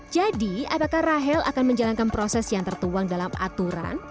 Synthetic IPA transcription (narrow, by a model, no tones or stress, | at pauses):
d͡ʒadiapakaraɦɛlʔa̰kanməɲd͡ʒalankanpɾosɛsjaŋt̪ərt̪uwaŋdalamʔa̰t̪uɾa̰n